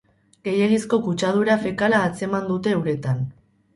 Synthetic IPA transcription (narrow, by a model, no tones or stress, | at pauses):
ɡ̥e̞je̞ɣisko̞kut͡ʃað̞uɾafekalaːt͡se̞mand̪ut̪e̞ːwɾe̞t̪an